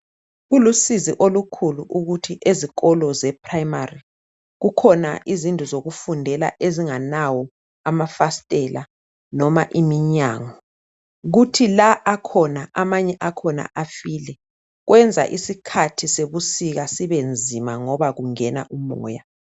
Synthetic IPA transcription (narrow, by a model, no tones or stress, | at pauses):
ɣulusiziʔolukʰuluʔuɣutʰiʔeziɣɔlɔzɛpʰrajimari | ɣukʰɔna̰ʔizintʼuzoɣufundʱɛla̰ʔeziŋanawɔ | amafastʼɛla̰ | nɔmaʔimiɲaːŋɔ | ɣutʰilaʔakʰɔnaʔamaɲɛʔakʰɔna̰ʔafilɛ | ɣwɛnd͡zʱa̰ʔisikʰatʰiseβusiɣasiβend͡zʱimaŋɔβaɣuŋɛna̰ʔumɔ̰ːja